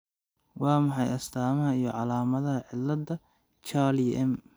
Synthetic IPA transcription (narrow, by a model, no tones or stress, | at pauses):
wɑːmɑħɑjɐst̪ʰaːmɐɦɐijɞʕɑlaːmɐðɐɦɐʕɪlːɐdɐ | t͡ʃaliʔɛm